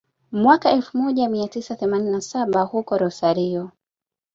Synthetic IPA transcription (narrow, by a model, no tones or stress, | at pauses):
mwakaɛlfumɔʄamiatisaθɛmaninasaɓahukɔɾɔsaɾiɔ